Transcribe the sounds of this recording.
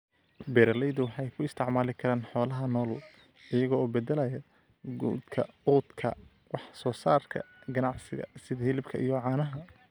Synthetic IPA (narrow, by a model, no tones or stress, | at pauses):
bɛːɾɐlɛjðʊwɑħɑjkʰʊɪst̪ʰɪʕmaːlɪkʰɐɾaːnħɔːlɐɦɐnɔːl | ɪjɐɣɔɔːbɛd̪ɛlɐjɐ | ɡṵːd̪kʰɐuːd̪kʰɐ̰ | wɑħsɔːsaːrkʰɐ̰ɡɐnɑʕsɪɣɐ̰sɪðɐhɪlɪbkʰɐʔijɔʕɑːnɐɦɐ